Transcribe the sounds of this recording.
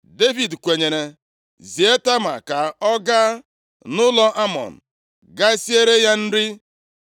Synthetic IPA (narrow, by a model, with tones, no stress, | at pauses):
de˦vi˨dkʷe˨ɲe˨ɾe˨ | zi˨e˦ta˦ma̰˨ka˨ɔ˦ɡa˦ | nʊ˦lɔ˦ʔa˦mɔ̰˨n̩˨ | ɡa˦e˦si˦e˦ɾe˦ja˦n̩˦ɾɪ˦